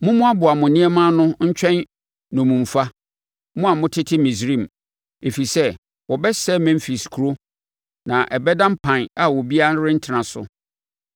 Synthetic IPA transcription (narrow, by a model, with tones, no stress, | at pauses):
mʊ̃˦mʊ̃˦a˦bʊ˨a˨mʊ̃˨nĩ˦ɛ˦mã˦nʊ̃˦ɲ̩˦t͡ɕᶣɛ̃˦n | nʊ̃˨mũ˨m˨fa˦ | mʊ̃˦a˨mʊ̃˦tʰɪ˦tʰɪ˦mĩ˨sɾĩ˦˨m˨ | e˨fi˨sɛ˦ | wɔ˨bɛ˦sɛ˦mɛ̃˦m˦fi˨skʰu˨ɾo˦ | nã˨ʔɛ˨bɛ˦dã˦m̩˦pʰã˨na˨wɔ˨bi˦a˦ɾɪ˦n̩˦tʰɪ˨nã˨sʊ̰˨